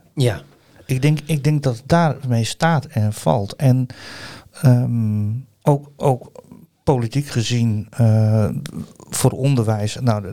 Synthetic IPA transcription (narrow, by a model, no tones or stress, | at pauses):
ɪk̚dɪŋkɪɡ̚dɪŋk̚dɔtdaːrmejstaːtɛnfɔ̰lˠtʰɛn | ə | oːkoːk | politikχəzinə | foːrondərʋɛjsna